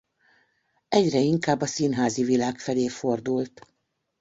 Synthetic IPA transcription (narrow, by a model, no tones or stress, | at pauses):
ɛɟrɛiŋkaːbːɒsinɦaːzivilaːkfɛleːfo̞rd̪ult̪